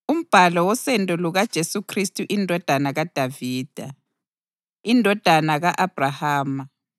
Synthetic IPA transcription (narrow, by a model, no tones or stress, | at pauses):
um̩b̥ʱalɔwɔsɛntʼuluɣad̥ʒ̥ʱesukʰristʼuʔindʱɔd̥ʱanaɣad̥ʱaviːd̥ʱa | indʱɔd̥ʱanaɣaʔab̥ʱrahaːma